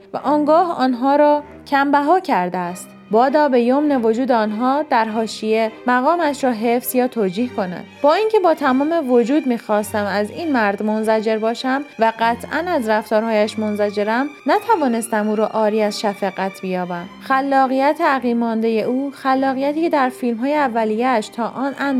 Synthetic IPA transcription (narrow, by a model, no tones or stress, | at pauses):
væ̰ʔɒːŋɡɒːhɒːnɦɒːɾɒː | cʰæmbæɦɒːcʰæɾd̪eæst̪ | bɒːd̪ɒːbe̞jomne̞vo̞d͡ʒuːd̪eɒːnɦɒːd̪æɾɦɒːʃijemæɣɒːmæʃɾɒːɦe̞fsjɒːt̪ʰoːd͡ʒiːhkʰo̞næ̰d̪bɒːiːŋcʰe̞bɒːt̪ʰæmɒːme̞vod͡ʒuːd̪miːxɒːst̪æmæziːnmæɾd̪mo̞nzæd͡ʒe̞ɾbɒːʃæmvæɢæt̪ʰʔænæzɾæft̪ɒːɾhɒːjæʃmo̞nzæd͡ʒe̞ɾæmnæt̪ʰævɒːne̞st̪æmuːɾɒːʔɒːɾiːæzʃæfæɣæt̪ʰb̥ijɒːbæmxælːɒːɣijæt̪ʰeæɣiːmɒːnd̪e̞je̞ʔuːxælːɒːɣijæt̪ʰiːcʰed̪æɾfilmɦɒːjeævːælijeʃt̪ʰɒːʔɒːnʔæm